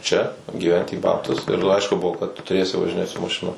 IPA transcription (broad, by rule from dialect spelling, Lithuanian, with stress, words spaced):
t͡ʃʲɛ ɡʲiːˈʋʲɛnʲtʲɪ iː ˈbɑːptʊs ɪr ˈɐɪʃkʊ ˈbʊʋoː kɐt tʊ tʊˈrʲeːsʲɪ ʋɐʒʲɪˈnʲeːt sʊ mɐˈʃʲɪnoːm